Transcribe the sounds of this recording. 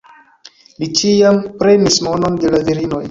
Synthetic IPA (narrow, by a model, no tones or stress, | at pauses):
lit͡ʃiampɾe̞nismono̞nde̞laviɾino̞j